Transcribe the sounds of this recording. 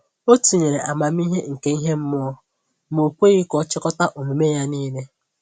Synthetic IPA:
o˦tu˨ɲe˨ɾe˨ʔa˨ma˨m̩˦i˦ɦe˦ŋ̩˨ke˦i˦ɦe˦m̩˦mʊ˦ɔ˦ | mo˨kʷe˦i˦kɔ˦t͡ʃɪ˦kɔ˦ta˦ʔo˨me˨me˦ja˦niː˦ne˦

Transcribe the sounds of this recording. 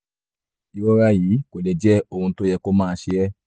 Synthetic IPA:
i˨˧wɔ˦ɾa˧jiː˨˦ko˨le˨d͡ʒɛ˦o˧hũ˧to˦jɛ˧ko˦mãː˦˧˦ʃe˧ɛ˦

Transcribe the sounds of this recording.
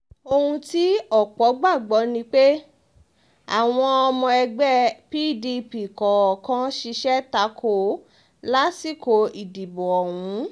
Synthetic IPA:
o˧hũ˧ti˦ɔ˦˨k͡pɔ˨˦ɡ͡ba˦˨ɡ͡bɔ˨˦nĩ˧k͡pe˦ | a˨w̃ɔ̃˧ɔ˧mɔ̃˧ɛ˧ɡ͡bɛ˦pi˦di˧pi˨kɔ˨ɔ˨kã˦ʃi˧ʃɛ˦ta˨˦kʰo˦˨ | la˦si˦˨ko˨i˨di˨bɔ˨ɔ˨wũ˨˦

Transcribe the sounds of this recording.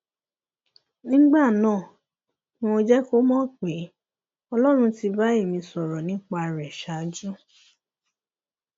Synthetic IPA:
nĩ˦ɡ͡ba˦˨nãː˦˨ | nĩ˦wõ˧d͡ʒɛ˦ko˦mɔ̃˦k͡pe˨˦ | ɔ˧lɔ˦ɾ̃ũ˧ti˧ba˦e˦˨mĩ˧sɔ˨ɾɔ˨nĩ˨˦k͡pa˧˨ɾɛ˨ʃa˨˦d͡ʒu˦

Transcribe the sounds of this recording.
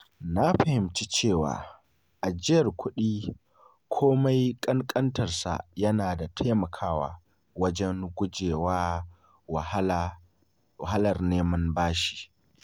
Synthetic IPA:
na˦ɸɐ˨hɪ˨mt͡ʃi˦t͡ʃeː˦˨wa̰ː˨ | ʔa˨d͡ʒɪ˦jɐ˨rkʷʰʊ˦ɗiː˦ | kʷʰoː˦ma˦jkʼɐ˦ŋkʼɐ˦ntɐ˨rsa̰˨jɐ˦naː˨da˨tʰa˦mɐ˨kʰaː˦wa̰ː˨ | wɐ˦d͡ʒɛ˦ŋɡʷʊ˦d͡ʒeː˨waː˦˨˦ | a˦lɐ˨rneː˦mɐ˦nbaː˦ʃi̥ː˨

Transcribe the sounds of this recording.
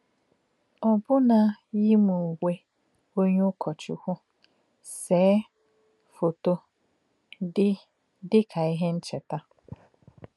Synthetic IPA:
ɔ˨bʊ˦na˨ji˦mu˨we˦ | o˦ɲe˦ʊ˦kʰɔ˨t͡ʃʊ̰˦hʷʊ˦ | seː˨˦ | fo˨to˦ | ɪ˦ | dɪ˦kʰa˨i˦ɦe˦n̩˦t͡ʃɛ˨ta˦

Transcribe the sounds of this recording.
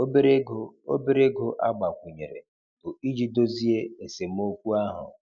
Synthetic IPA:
o˦be˦ɾe˦ɡo˦o̰˦be˦ɾe˦ɡo˦ʔa˦ɡ͡ba˨kʷu˨ɲe˨ɾḛ˨ | b̥ʊ˨i˦d͡ʒi˦do˦zi˦e˦e˨se˨m̩˦o˦kʷu˦a˦ɦʊ̰˨

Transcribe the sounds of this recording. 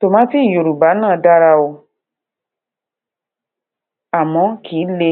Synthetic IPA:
to˨mã˨˦ti˦˨jo˨ɾu˨ba˨˦nãː˦˨da˦ɾa˧o˧ | a˨mɔ̃˨˧˦kʰiː˨˦le˧

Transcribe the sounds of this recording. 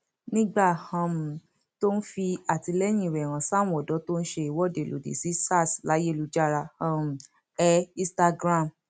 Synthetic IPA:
nĩ˦ɡ͡ba˦˨hã˨˧˦m˨˦ | to˦n̩˦fi˧a˨ti˧lɛ˦j̃ĩ˦˨ɾɛ˨ɾ̃ã˨sã˦˨˦ɔ˨dɔ˨˦to˦n̩˦ʃe˧i˦˨wɔ˨˦˨de˨lo̰˨dḛ˨si˨˦sa˦˨sla˨˦je˦˨lu˧d͡ʒa˦˨ɾa˧ã˦˧m̩˨ | ɛ˦ĩ˧sta˧ɡɾa˦˨m

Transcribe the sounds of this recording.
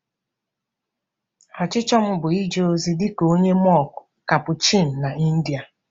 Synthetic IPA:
a˨t͡ʃɪ˦t͡ʃɔ˦m̩˦bʊ˨i˦d͡ʒe˦o˦zi˦dɪ˦ko˦ɲe˦mɔ˦˨kʊ̥˨ | ka˨pʊ˨t͡ʃi˦˨n̩˨na˨i˦n̩˦di˨a˨

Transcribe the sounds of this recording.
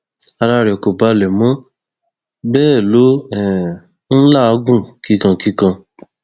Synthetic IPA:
a˧ɾa˧ɾɛ˨ko˨ba˨˧lɛ˨mɔ̃˨˦ | bɛː˦˨lo˨˦ɛ˨˦ | n̩˦la˦˨a˨˦ɡũ˦˨ki˦kã˧ki˦kã˧

